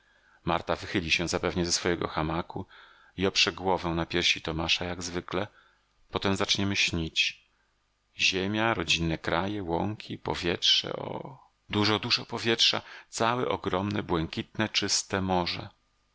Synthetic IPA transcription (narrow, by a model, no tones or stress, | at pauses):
maɾt̪avɘxɘlʲiɕɛ̃zapɛvɲɛzɛsfɔjɛɡɔ̰xamaku | iɔpʂɛɡwɔvɛw̃napʲjɛɾɕit̪ɔmaʂajaɡzvɘklɛ | pɔt̪ɛmzat͡ʂɲɛmɘɕɲit͡ɕ | ʑemʲjaɾɔd͡ʑinːɛkɾajɛwɔŋkʲʰipɔ̰vʲjɛtʂɛ̰ɔ̰ | d̪uʐɔd̪uʐɔpɔvʲjɛtʂa̰t̪sawɛʔɔɡɾɔmnɛbwɛŋkʲit̪nɛt͡ʂɘst̪ɛmɔʐɛ̰